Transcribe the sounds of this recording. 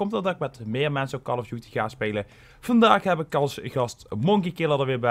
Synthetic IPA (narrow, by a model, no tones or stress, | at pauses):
kɔmtɑdɑkmɛtmɪːɹmɛnsəokɑlɔfjutəɣaːspeːlə | v̥ɑndaːxɦɛbɪkɑlˠsɣɑstmoŋkikɪlˠədəɹʋɪːɹbɛ